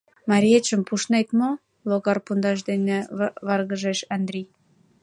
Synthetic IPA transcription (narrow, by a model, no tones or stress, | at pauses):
mɑɾʲiet͡ɕəmpuʃnet̪mo | loɣɑrpund̪ɑʃ̬d̪eneβɑrɣə̆ʒeʃɑnd̪ɾʲi